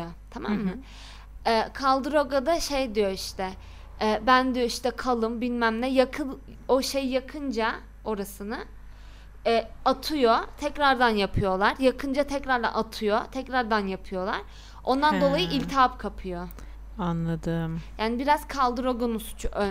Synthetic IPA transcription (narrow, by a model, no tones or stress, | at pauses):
t̪ʰama̰mːɯ | ɛːkʰalˠd̪ɯɾoɡad̪aʃejd̪ijo̞iʃt̪ʰɛ | bænd̪ijo̞iʃt̪ɛkʰalˠɯmbinmæmlʲɛjakʰɯ | o̞ʃejjːakʰɯnd͡ʒa | o̞ɾasɯnɯ | ɛat̪ʰɯjo̞t̪ʰɛcɾaɾd̪anjapʰɯjo̞lˠaɾjakʰɯnd͡ʒat̪ʰɛcɾaɾd̪a̰nat̪ʰɯjo̞t̪ʰɛcɾaɾd̪anjapʰɯjo̞lˠa̰ɾ̥ | o̞nd̪and̪o̞lˠajɯʔilʲt̪ʰapkʰapʰɯjo | anlˠad̪ɯmjaːnibiɾaz̥kʰalˠd̪ɯɾoɡonusu̥t͡ʃʰuʔø